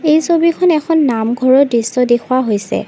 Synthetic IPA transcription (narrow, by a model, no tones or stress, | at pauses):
ejsobikʰɔnɛkʰɔnːamɡʱɔɹɔdɹisːɔdekʰuwaɦojsɛ̰